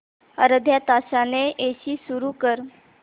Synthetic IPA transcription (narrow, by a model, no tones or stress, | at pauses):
ə̰ɾəd̪ʱjat̪asaneʔeɕiːsuɾukəɾ